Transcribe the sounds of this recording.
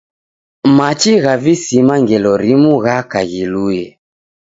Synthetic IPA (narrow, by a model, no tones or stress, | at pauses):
mat͡ʃiɣavisimaŋɡɛlɔɾimuɣakaɣilujɛ